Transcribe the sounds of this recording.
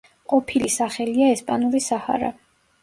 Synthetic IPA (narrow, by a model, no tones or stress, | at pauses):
qʼɔpʰilisaχɛliaɛspʼanulisaha̰ɾa̰